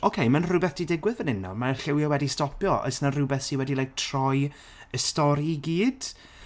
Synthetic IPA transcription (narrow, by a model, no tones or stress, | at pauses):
ɔkʰejmanrʊbɛθd̥idɪɡwɪðənɪnːɔ̰maɬɪwjɔwɛdistɔpʰjɔɔ̰ɨsnarʊbɛθiwɛdilˠajk̚tʰrɔj | əstɔɾiiɡiːd̥